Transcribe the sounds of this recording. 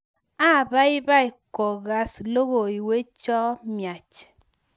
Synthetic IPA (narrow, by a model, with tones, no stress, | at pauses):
a˦˨ba˦i˦ba˦i˨kɔ˨ɣa˨slo˦ɣo˨i˨we˦t͡ʃɔ˦mja˨t͡ʃ